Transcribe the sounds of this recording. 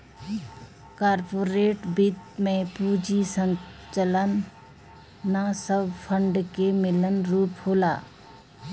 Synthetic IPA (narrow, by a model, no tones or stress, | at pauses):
kaːɾpoːɾeːʈbit̪mẽpud͡ʒisə̃nt͡ʃələn | asəbpʰəɳɖkemɪlənɾuːphoːla̰